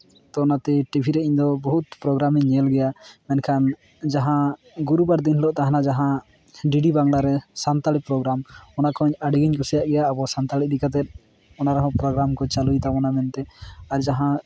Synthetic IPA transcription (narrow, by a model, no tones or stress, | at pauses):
t̪ɔnat̪ɛʈibʱiɾɛiɲd̪ɔbɔɦut̪̚pɾɔɡɾamiɲɲɛlɡɛjamɛnkʰan | d͡ʒaɦã | ɡuɾubaɾd̪inɦlɔʔt̪aɦanad͡ʒaɦã | ɖiɖibaŋɽaɾɛsant̪alit̪̚pɾɔɡɾamɔnakʰɔɲaɽiɡiɲkɔsɛjaʔɡɛjaːbɔsant̪alidikat̪̬ɛt̪̚ | ɔnaɾɛɦɔ̃pɾɔɡɾamkɔt͡ʃalujt̪abɔnamɛnt̪ɛaɾd͡ʒaɦã